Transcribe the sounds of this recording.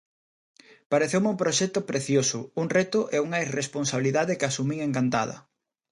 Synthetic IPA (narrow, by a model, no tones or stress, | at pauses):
paɾeθewmumpɾoʃɛt̪ʊpɾeθjosʊuŋrɛt̪ʊʔeuŋɐiresponsaβiliðaðɪkasumiŋeŋkant̪a̰ðɐ̰